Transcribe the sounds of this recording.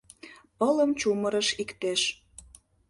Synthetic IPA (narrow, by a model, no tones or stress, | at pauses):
pələmt͡ɕuməɾəʃikt̪eʃ